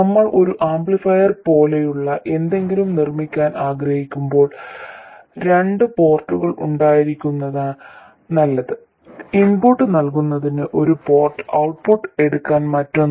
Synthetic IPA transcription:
nɐmːɐɭʔo̞ɾuʔaːmbɭifɐjɐrpo̞ːlejuɭːɐʔe̞nd̪e̞ŋɡilumnirmikʲːaːnʔaːɡɾɐhikʲːumbo̞ːɭ | ɾe̞ɳɖɨpo̞ːrʈːuɣɐɭʔṵɳɖaːjiɾikʲːunːɐðaː | nɐlːɐðɨ | impuʈːɨnɐlkunːɐðinɨʔo̞ɾupo̞ːrʈːɨ̥ɐwʈ̚poːʈːɨe̞ɽukːaːnmɐtːo

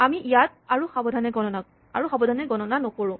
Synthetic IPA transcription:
amiʔijat̚aɹuxabɔdʱanɛɡɔnɔna | a̰ɹuxɔbɔdʱanɛɡɔnɔnanɔkoɹʊ̃

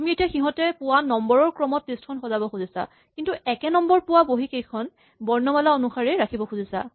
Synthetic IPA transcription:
amietiaxiɦɔ̃tɛpʊwanɔmbɔɹɔɹkɹɔmɔt̚ːestkʰɔnxɔzabɔkuzisa̰ | kintuɛkɛnɔmbɔɹpʊwaboɦikejkʰɔn | bɔɹnɔmalaonuxaɹɛɹakʰibɔxuzisa̰

